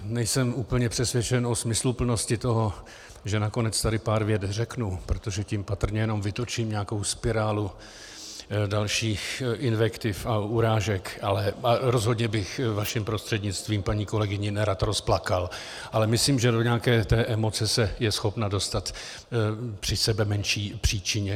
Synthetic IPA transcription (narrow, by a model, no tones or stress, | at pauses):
nɛjsɛmuːpl̩ɲɛpr̥ɛsvjɛt͡ʃɛnʔosmɪslupl̩no̞scɪt̪o̞ɦo̞ | ʒɛnako̞nɛt͡st̪adɪpaːɾvjɛd̪rɛknupɾo̞t̪o̞ʒɛcimpat̪r̩ɲɛjɛno̞mvɪt̪o̞t͡ʃiːmɲɛako̞wspɪɾaːlu | dalʃiːxʔɪnvɛkt̪ɪfauɾaːʒɛkʔalɛaɾo̞zɦo̞dɲɛbɪxvaʃɪmpɾo̞st̪r̥ɛdɲɪt͡st̪viːmpaɲiːko̞lɛɡɪɲɪnɛɾat̪ɾo̞splakal | ʔalɛmɪsliːmʒɛdo̞ɲɛaakɛːt̪ɛːʔɛmo̞t͡sɛsɛjɛsxo̞pnado̞st̪at̪ | pr̥ɪsɛbɛmɛnʃiːpr̝̥iːt͡ʃɪɲɛ